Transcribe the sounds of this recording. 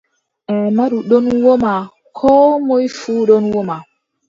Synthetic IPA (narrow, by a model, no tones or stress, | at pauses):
ʔɛmaɗuɗonwoma | kʰɔːmojfuːɗonwoma